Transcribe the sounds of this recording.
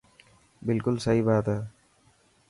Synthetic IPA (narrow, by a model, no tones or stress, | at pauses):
bɪlkʊlsɐɾibaːd̪ɐ